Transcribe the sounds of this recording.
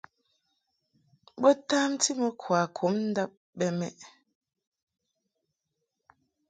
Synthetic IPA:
bɔ˦taː˦mti˦mɛ˨kʰwa˨kʰo˨˦mn̩˦da˦p̚ | bɛ˦mɛ̰˦ʔ

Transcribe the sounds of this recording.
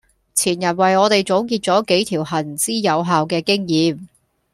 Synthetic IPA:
t͡sʰiː˨˩njɐ˨˩nwɐ˨jɔː˨˧t̪e˨jt͡so˨˥wkiː˧t̚t͡sɔː˨˥ke˨˥jt̪ʰiː˨˩wɦɐ˨˩nt͡siː˥jɐ˨˧wɦaː˨wkɛː˧kɪ˥ŋjiː˨˧m

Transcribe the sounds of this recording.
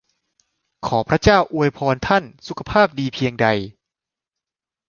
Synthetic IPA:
kʰɔː˩˦pʰɾa˦˥t͡ɕaː˥˩wʔu˧əjpʰɔː˧nt̪ʰa˥˩nsu˨˦kʰa˧pʰaː˥˩p̚diː˧pʰi˧əŋda˧j

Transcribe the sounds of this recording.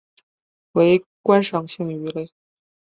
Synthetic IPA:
we˧˥ɪkwa˥nʂɑ˨˩ŋɕi˥˩ŋy˧˥le˥˩ɪ

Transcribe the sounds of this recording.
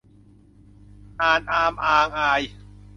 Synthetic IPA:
ʔaː˨˩nʔaː˧mʔaː˧ŋʔaː˧j

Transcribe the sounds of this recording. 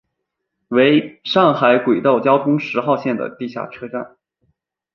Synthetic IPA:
we˧˥ɪʂɑ˥˩ŋxa˧˥ɪkwe˨˩ɪt̪o˥˩ʊt͡ɕjɑ˥ʊt̪ʰʊ˥ŋʂɻ̩˧˥xɑ˥˧ʊɕjɛ˥˩nd̪ə̰˩t̪i˥˧ɕja̰˥˩ʈ͡ʂʰɤ˥ʈ͡ʂa̰˥˩n

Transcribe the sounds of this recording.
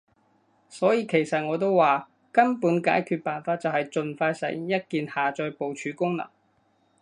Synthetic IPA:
sɔː˨˥jiː˧kʰe˨˩jsɐ˨t̚ŋɔː˨˧t̪̬o˥wwaː˨ | kɐ˥mpuː˨˥nka̰ː˨˥jkʰyː˧t̚paː˨nfaː˧t̚t͡sɐ˨whɐ˨jt͡ʃɵ˨˧nfaː˧jsɐ̰˨˩jjɐ˥t̚kiː˨nhaː˨t͡ʃɔː˧jpo˨wt͡ʃʰyː˨˥kʊ˥ŋnɐ̰˨˩ŋ

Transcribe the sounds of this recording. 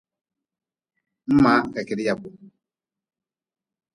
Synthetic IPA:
m̩˦ma˨˦˨ka˨kɛ˨ɾi˦ja˨bu˨

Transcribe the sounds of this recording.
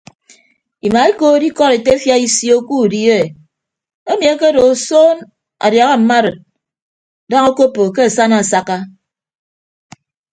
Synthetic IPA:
i˨ma˨e˦koː˦di˦kɔ˦ɾe˨te˦fja˦i˦sjo˦ku˦˨di˦e˦e˨ | e˦mi˨a˦ke˦do˨soː˦n | a̰˨dja˨ɣa˦m̩˨ma˦ɾɨ˨t̚ | da˦ŋo˦ko˦pːo˨k̬e˦a˨sa˦na˨sa˦ka˦

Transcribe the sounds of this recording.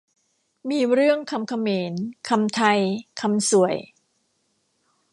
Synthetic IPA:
miː˧ɾɯ˥˩əŋkʰa˧mkʰa˧meː˩˦nkʰa˧mt̪ʰa˧jkʰa˧msu˨˩˦əj

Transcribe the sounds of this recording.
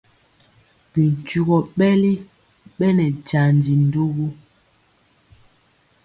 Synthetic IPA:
bi˨n˨t͡ʃu˨ɣɔ˨ɓɛ˦li˦ | ɓɛ˦nɛ˨d͡ʒa˨n˨di˨n̩˦do˦ɡu˦

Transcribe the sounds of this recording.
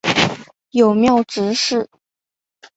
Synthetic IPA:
jo˨˩ʊmjɑ˥˩ʊʈ͡ʂɻ̩˧˥ʂɻ̩˥˩

